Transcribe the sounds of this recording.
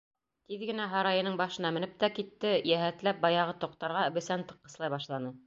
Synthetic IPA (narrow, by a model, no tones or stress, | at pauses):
t̪iðɡɘ̆næɦɑɾɑjɤ̆nɤɴbɑʃɤ̆nɑmɘ̆nɘp̚t̪ækit̪ːɘjæɦæt̪læp̚bɑjɑʁɤt̪ŏq̚t̪ɑɾʁɑɘ̆bɘ̆sænt̪ɤ̆qːɤ̆slˠɑjβbɑʃlˠɑnɤ